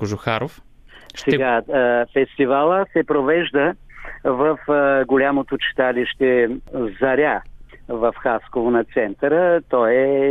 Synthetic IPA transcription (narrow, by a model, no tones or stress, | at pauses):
koʒʊxaɾof | sɛɡafɛst̪ivalˠəsɛpɾovɛʒd̪ə | vəfɡolʲamot̪ot͡ʃɛ̥t̪aliʃt̪ɛzɐɾʲa | vɐfxaskovonɐt̪sɛnt̪əɾət̪ɔjɛ